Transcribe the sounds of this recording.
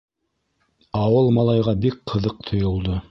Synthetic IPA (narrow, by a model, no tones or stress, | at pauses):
ɑwɤlˠmɑlˠɑjʁɑbik̚qʰɤ̆ðɤq̚t̪ʰŏjŏlˠd̪o